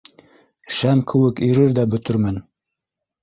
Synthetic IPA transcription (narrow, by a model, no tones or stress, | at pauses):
ʃæmkʰɘ̆wɘkɵ̆ɾɘɾðæbɵ̆t̪ɵ̆ɾmɘn